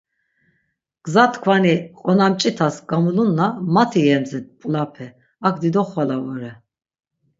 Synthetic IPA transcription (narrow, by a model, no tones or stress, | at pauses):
ɡ̥zat̪ʰkʰvaniqʼɔnamt͡ʃʼit̪ʰasɡamulunːamat̪ʰijɛmzɛt̪̚pʼlapʰɛ | akʰd̪id̪ɔχwalavɔɾɛ